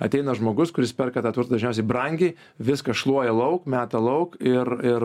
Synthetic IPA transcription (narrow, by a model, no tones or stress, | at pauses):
ɐ̰t̪ʲɛɪnɐʒmoːɡʊskʊɾʲɪspʲɛrkɐt̪ɑːt̪ʋʊɾt̪ːd̪ɐʒʲnʲɛʊsʲɛɪbrɐŋʲɡʲiː | ʋʲɪskɐsʃlˠuɔjɛlˠɐʊkmʲæːt̪ɐlˠɐʊkɪrɪr